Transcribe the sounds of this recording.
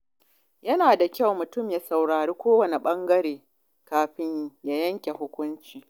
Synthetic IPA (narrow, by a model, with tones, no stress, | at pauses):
jɐ˦naː˨da˨kʲa˦wmʊ˨tʊ˦˨mjaː˦sa˨wɽaː˨ɾeː˦kʷoː˦wɐ˨ne˨ɓɐ˦ŋɡɐ˦ɽeː˨ | kaː˨ɸɪ˦ɲja˦jɐ˦ŋkʲe˨ɦʊ˦kʷʊ˦nt͡ʃiː˨